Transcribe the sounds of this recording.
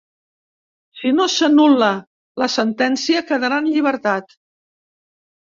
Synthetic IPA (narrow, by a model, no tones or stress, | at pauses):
sinosənulə | ləsənt̪ɛnsiəkəðəɾanʎiβ̞əɾt̪at̪